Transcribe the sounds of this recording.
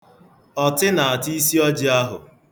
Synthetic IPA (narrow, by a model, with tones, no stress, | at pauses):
ɔ˨tɪ˦na˨a˨ti˦si˦ɔ˦d͡ʒɪ˦a˦ɦʊ̰˨